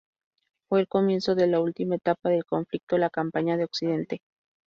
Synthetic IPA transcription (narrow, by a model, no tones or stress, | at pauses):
fweːlkomje̞nsoðelault̪imaet̪apaðelkoɱflik̚t̪olakampaɲaðeoksiðent̪e